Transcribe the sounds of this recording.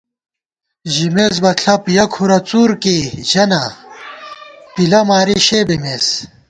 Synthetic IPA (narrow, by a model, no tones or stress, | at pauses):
ʑimez̬bɐɬʰɐpijɐkʰuɾɐt͡suːɾkeʑɐnɐ | pilɐmaːɾiɕebemeːs